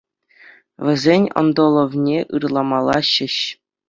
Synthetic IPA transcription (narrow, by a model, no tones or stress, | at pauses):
vʲɘ̆zʲenʲo̰nd̪olˠovnʲeʔɯrlˠɑmɑlˠɑɕɘ̆ɕ